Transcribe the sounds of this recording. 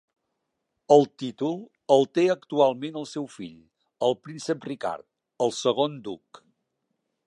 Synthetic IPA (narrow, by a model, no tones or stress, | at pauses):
əlˠt̪it̪ulˠ | əlˠt̪eəkt̪ualˠmenəlˠsɛwfiʎ | əlˠpɾinsəprika̰ɾt̪̚ | əlˠsəɣ̞ond̪uk